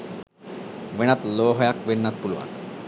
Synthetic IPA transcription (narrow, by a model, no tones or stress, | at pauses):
ʋeɽ̃at̪loɦɔjakʋenːat̪̚pulʋa̰k